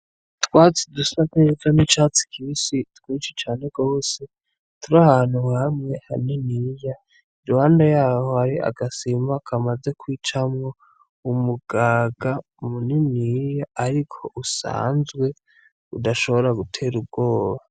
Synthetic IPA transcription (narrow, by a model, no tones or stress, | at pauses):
twaːt͡sidusakeɾekonit͡ʃat͡si̥kʰisitwiːt͡ʃet͡ʃaːne̞ɡ̥o̞ːse̞ | tuɾahaːnhuhamŋe̞ha̰ninija | iɾuhaːndajaːho̞haɾia̰ɡasimakʰamaze̞kʰwiːt͡ʃamŋo̞ | umuɡ̥aːɡa | muninijaːɾikʰo̞ʔusa̰ːnzwe̞ | udaʃo̞βo̞ɾaɡutʰe̞ːɾub̚ɡo̞ːβa